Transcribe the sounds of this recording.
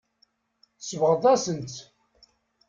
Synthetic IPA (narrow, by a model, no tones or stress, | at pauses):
səvʁəðˤæsənt̪